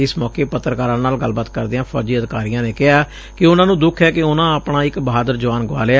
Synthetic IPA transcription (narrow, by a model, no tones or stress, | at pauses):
ɪsmɔːkeːpət̪ːɾəkaːɾãːnaːlɡəlbat̪kəɾd̪eːãːpʰɔ̰ːd͡ʒiːəd̪kaːɾijãːneːkɪɦaː | kɪʊnãːnũːd̪ʊkʰɛːkɪʊnãːəpɳaːɪkbəɦaːd̪əɾd͡ʒəʋaːnɡʋa̰ːlea